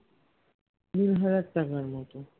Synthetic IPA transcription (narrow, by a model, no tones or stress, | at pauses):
d̪uɾɦaɾat̪ːakaɾmɔt̪o